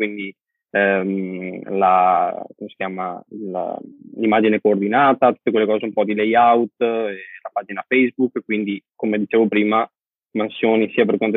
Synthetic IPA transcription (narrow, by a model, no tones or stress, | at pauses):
kwind̪i | ɛmlakomesi̥kʲjaːmala̰limːaːd͡ʒinekoːrd̪inaːt̪at̪u̥t̪ːekwelːekɔːzeumpɔd̪ilejawt̪elapaːd͡ʒinafɛjzbukːkːwind̪ikomed̪it͡ʃeːvopɾiːma | mansjoːnisiːaperkwant̪o